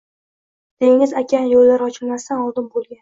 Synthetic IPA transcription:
d̪̥e̞ŋɪzakʲʰanjolːaɾɒt͡ʃʰɪlmast̪anɒlˠd̪ɪnbolˠɡʲan

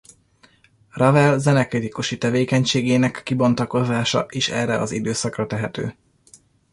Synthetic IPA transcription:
rɒvɛlzɛnɛkrit̪ikuʃit̪ɛveːkɛɲʃeːɡeːnɛkːibo̞nt̪ɒko̞zaːʃɒ̰ʔeːʃɛːrːɛɒ̰zid̪øːsɒkrɒt̪ɛɦɛt̪ø̰ː

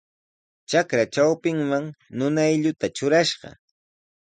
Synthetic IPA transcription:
t͡ʃakɾat͡ʃawpɪŋmaŋnʊnajʎʊt̪at͡ʃʊɾaʃɢɑ̰

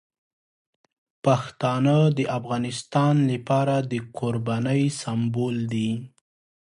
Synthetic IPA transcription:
paxt̪ɑnəd̪əʔafɣɑnɪst̪ɑnlapɑɾad̪əkʰoɾbɑnəjsambold̪i

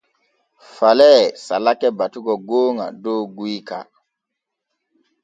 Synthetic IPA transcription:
falɛsalakɛbatuɡɔɡoːŋa̰doːɡuika̰

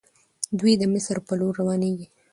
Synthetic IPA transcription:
d̪wid̪əmɪsɾpəloɾːawɑneɡi

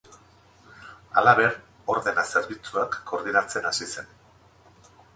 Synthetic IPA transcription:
a̰laβe̞ɾ | o̞ɾðe̞nase̞ɾβit͡suakːo̞ɾð̞inat͡se̞nasise̞n

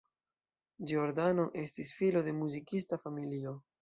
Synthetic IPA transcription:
d͡ʒioɾd̪ano̞ʔe̞stisfilo̞de̞muzikistafamilio̞

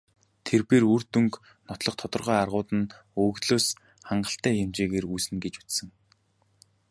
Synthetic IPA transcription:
t̪ʰerpeːrurt̪ɵŋk | nɔt̪ɮɞ̆χt̪ʰɔt̪ɞ̆rʁœːarʁʊːt̪ə̆n | ɵɣt̪ɮoːs | χaɴɢə̆ɬt̪æːjemt͡ɕeːɣeːrujsɘ̆nɡet͡ɕut͡ssɘ̆ŋ

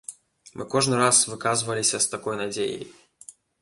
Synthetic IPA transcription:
mʔɨ̰kɔʐnɨɾasvɨkazvɐlʲisʲɐst̪akɔjnad͡zʲḛjḛj

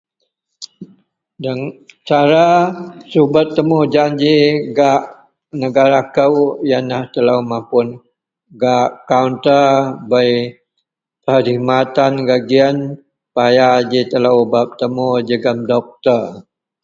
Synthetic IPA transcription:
dəŋt͡ʃaɾasubət̪ːəmʊhd͡ʒaɲd͡ʒiɡaʔ | nəɡaɾakəwjanaht̪ələwmãmpʊn | ɡaʔkaunt̪əbəj | t̪əɾimat̪anɡaɡian | pajad͡ʒit̪ələwbap̚t̪əmʊd͡ʒəɡəmdɔk̚t̪ər

